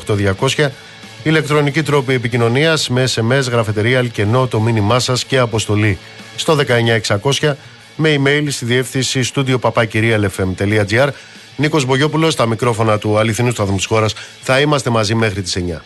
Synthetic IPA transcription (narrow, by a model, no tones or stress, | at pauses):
xt̪o̞ðʝɐko̞sçɐ | ile̞k̚t̪ɾo̞nicit̪ɾo̞pie̞picino̞niɐsme̞se̞me̞zɣɾɐfit̪e̞ɾiɐlce̞no̞t̪o̞minimɐsɐsce̞ɐpo̞st̪o̞li | st̪o̞ðe̞kɐe̞ɲɐeksɐko̞sçɐ | me̞ime̞jlst̪iðie̞fθinsist̪ud̪io̞pɐpɐciɾiɐle̞fe̞mt̪e̞liɐd͡ziɐɾ | niko̞zbo̞ʝo̞pulost̪ɐmikɾo̞fo̞nɐt̪uɐliθinust̪uɐðmut̪i̥sxo̞ɾɐsθɐimɐst̪e̞mɐzime̞xɾit̪i̥se̞ɲɐ̰